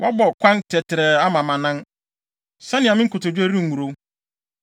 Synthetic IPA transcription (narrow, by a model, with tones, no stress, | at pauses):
wʔa˦bɔ˨kʷʰã˦ntʰɛ˨tʰɪ˨ɾɛ˨a˦mã˨mã˨nã˦n | sã˦nɪ̃˨a˨mɪ̃˦kʰʊ˨tʊ˨d͡ʑu˦æ˦ɾi˦ŋ̩˨u˨ɾo˦